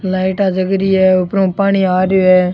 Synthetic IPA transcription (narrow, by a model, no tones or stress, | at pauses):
laːɪʈaːd͡ʒəɡɾiːɛːʊpɾõːpaːɳ̃iːaːɾjoːɦɛː